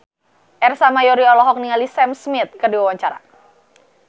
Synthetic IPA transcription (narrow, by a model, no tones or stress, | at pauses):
ʔɛrsamajɔɾiɔlɔɦɔk̚niŋalisɛmsmɪt̪̚kərdiwawaɲt͡ʃaɾa̰